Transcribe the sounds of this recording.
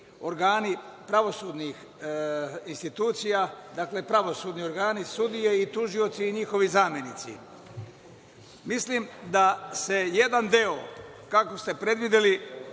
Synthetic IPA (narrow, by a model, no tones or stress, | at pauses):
o̞ɾɡaːnipɾaʋo̞suːd̪nix | inst̪it̪uːt̪sijad̪akle̞pɾaʋo̞suːd̪nio̞ɾɡaːnisud̪ijeit̪uʒio̞t̪siːɲixo̞ʋizaːmjenit̪sḭ | mislimd̪ase̞je̞d̪and̪eokako̞st̪e̞pɾe̞d̪ʋid̪eli